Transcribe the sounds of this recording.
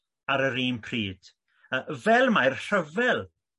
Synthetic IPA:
aɾəɾiːmpʰriːd̥ | əvɛlˠmajrr̥əvɛlˠ

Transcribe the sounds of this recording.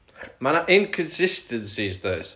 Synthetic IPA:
manəʔɪ̃nkʰə̃nsɪstə̃nsizðoʊz̥

